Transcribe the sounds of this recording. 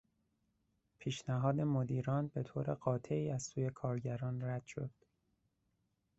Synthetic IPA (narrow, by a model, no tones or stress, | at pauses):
pʰiːʃnæɦɒːd̪e̞mod̪iːɾɒːnbe̞t̪ʰoːɾe̞ɢɒːt̪ʰe̞iːæzsuːje̞kʰɒːɾɟæɾɒːnræd̪̥ʃo̞̰d̪̥